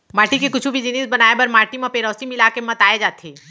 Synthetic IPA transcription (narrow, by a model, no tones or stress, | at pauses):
maːʈikekʊt͡ʃʰubʱid͡ʒɪnisbɐnaːebɐɾmaːʈimapeːɾɔːsimɪlakemɐt̪aːed͡ʒaːt̪ʰeː